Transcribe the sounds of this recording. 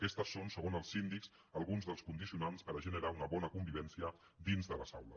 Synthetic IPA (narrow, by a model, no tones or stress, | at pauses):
kɛst̪əsːonsəɣ̞onəlˠsind̪iks | əlˠɣunzðəlˠskund̪isiunanspəɾəʒənəɾaunəβɔnəkumbiβ̞ɛnsiə | d̪inzðələzawlə̰